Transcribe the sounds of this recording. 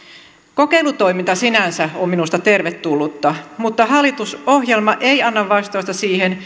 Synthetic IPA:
ko̞ke̞jlut̪o̞jmint̪ɑsinænsæomminust̪ɑt̪e̞rʋet̪ːulːut̪ːɑmut̪ːɑɦɑlːˑit̪uso̞hjelmɑʔe̞ijɑnːɑʋʋɑst̪ojst̪ɑsiːhen

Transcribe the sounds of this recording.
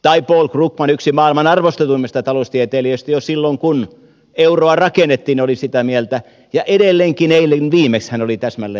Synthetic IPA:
t̪ɑipoːlkrukmɑnyksimɑːilmɑnɑrʋost̪et̪uimːest̪ɑt̪ɑlost̪iet̪eːliøst̪æjosilːoŋkun | euroɑrɑkenːˑet̪ːiːnolisit̪æmielt̪æ | jɑʔedelːeŋkineilːenʋiːmekshænolit̪æsmælːe

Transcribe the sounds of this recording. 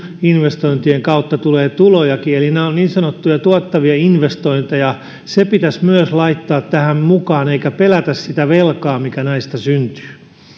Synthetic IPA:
inʋest̪oint̪ieŋkɑut̪ːɑt̪uleːt̪ulojɑkielineonniːnsɑnot̪ːujɑt̪uɑt̪ːɑʋiɑinʋest̪oint̪ejɑ | sepit̪æsmyøslɑit̪ːɑːt̪tːæhæmmukɑːneikæpelæt̪æssit̪æʋelkɑːmikænæist̪ɑsynt̪y̥ː

